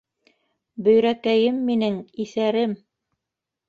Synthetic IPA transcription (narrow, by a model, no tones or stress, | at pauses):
bɵ̆jɾækæjɘmːinɘŋiθæɾɘm